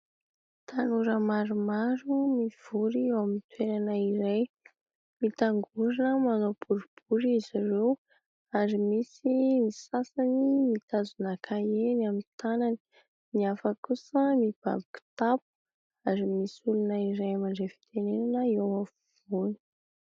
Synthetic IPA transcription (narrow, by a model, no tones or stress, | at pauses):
t̪ʰanuɾəmaɾumaɾumiv̥uɾiewamint̪weɾanəiɾej | mit̪aŋɡuɾinəmanob̥uɾub̥uɾiiziɾew | aɾimisimisasanimit̪azunakʰaenamint̪anani̥ | miafəkusəmib̥a̰biku̥t̪ap̚u̥ | aɾimisulunəiɾejamaɳɖ͡ʐefi̥t̪ʰenenanəiewafuv̥uni̥